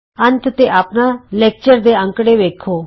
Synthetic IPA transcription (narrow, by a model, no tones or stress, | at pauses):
ə̃nt̪ʰt̪eʔaːpnaleːk̚t͡ʃəɾd̪eə̃ŋkɽeʋeːkʰoː